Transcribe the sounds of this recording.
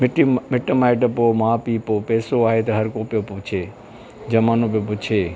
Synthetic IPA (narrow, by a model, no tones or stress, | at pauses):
mʈmɪʈəmaːɪʈəpoːmaːpiːpoːpɛːsoaːɦet̪eɦɐɾkoːpjopot͡ʃʰeː | d͡ʒɐmaːnõp̬epot͡ʃʰeː